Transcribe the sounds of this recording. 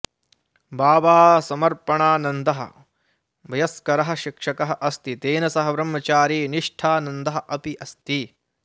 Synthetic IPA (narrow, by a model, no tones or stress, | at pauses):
baːʋaːsɐmɐɾpɐɳaːnɐnd̪ɐɦɐ̰ | bɐjɐskɐɾɐɦɐ̆ʃikʂɐkɐɦɐʔɐst̪it̪eːnɐsɐɦɐbɾɐmːɐt͡ʃaːɾiːniʂʈʰaːnɐnd̪ɐɦɐ̆ʔɐpiʔɐst̪i